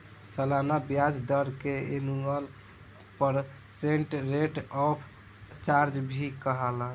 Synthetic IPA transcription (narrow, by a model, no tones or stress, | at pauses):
səlanabjad͡ʒd̪əɾkeenuəl | pəɾ | seɳʈɾeʈɔpʰ | t͡ʃaɾd͡ʒbʱikəɦələ